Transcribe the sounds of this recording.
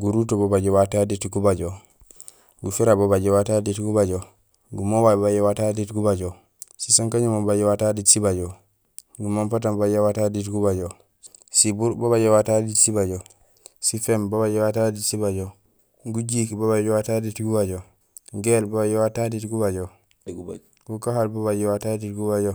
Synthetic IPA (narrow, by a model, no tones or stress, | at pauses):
ɡuɾutobobaɟowataditɡubad͡ʒo | ɡufiɾabobad͡ʒowataditɡubad͡ʒo | ɡumowabbajowataditɡubaɟo | sisaŋkaɲumobad͡ʒowataditsibad͡ʒo | ɡumanpatambad͡ʒawataditɡubaɟo | sibuɾboβad͡ʒowataditsibad͡ʒo | sifɛmbaβad͡ʒɛwataditsibad͡ʒo | ɡud͡ʒikibobad͡ʒɔwataditɡubad͡ʒo | ɡelbabad͡ʒɛwataditɡubad͡ʒo | ɡukaɦalboβad͡ʒɛwataditɡubad͡ʒo